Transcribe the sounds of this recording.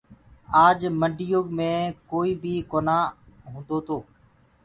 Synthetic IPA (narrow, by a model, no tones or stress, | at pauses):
aːd͡ʒməɳɖʱijoːɡmẽːkoːiːbʱiːkoːnaːɦũːnd̪oːt̪ʰoː